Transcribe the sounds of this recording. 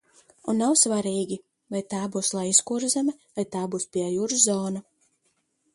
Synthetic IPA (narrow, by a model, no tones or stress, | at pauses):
unːawsvaɾiːɡʲi | vajt̪aːbuːslˠajiskuɾzamɛvajt̪aːbuːspʲiɛjuːɾzzɔːna